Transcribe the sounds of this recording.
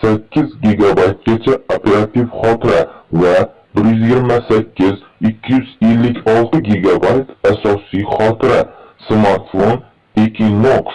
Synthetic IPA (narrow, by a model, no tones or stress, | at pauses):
sakʲʰːɪzɡʲeɡabajt̪̚ɡʲat͡ʃʰaopʰe̞ɾat̪ʰifχɒt̪ʰɪɾava | bɪɾjʏzjeɡʲɪɾmasakʲʰːɪz | ɪkʲʰːɪjyzelːɪkʲʰɒlˠt̪ʰɪɡʲiɡabajt̪asɒsijχɒt̪ʰɪɾasmaɾt̪fon | ekʲʰinːoks